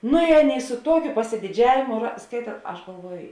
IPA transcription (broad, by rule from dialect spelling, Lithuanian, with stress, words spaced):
ˈnʊ ɪ ˈɑːˌnʲeːɪ sʊ ˈtuɔkʲʊ pɐsʲɪdʲɪˈd͡ʒʲæːʋʲeːmʊ rɐ ˈskɐɪtɐ ˈɐʃ ɡɐlˠˈʋuɔj